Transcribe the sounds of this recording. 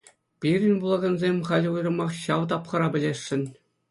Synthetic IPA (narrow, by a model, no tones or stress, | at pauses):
pʲiɾʲɘ̆nʲbulˠɑɡɑ̆nzʲemʲχɑlʲujrɤ̆mɑχɕɑʋt̪ɑpχɤ̆ɾɑbʲɘ̆lʲeʂːɘ̆nʲ